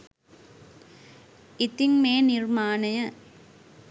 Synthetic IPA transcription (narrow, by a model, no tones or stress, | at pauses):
ɪt̪ɪŋmeːnɪɾmaːnɐjɐ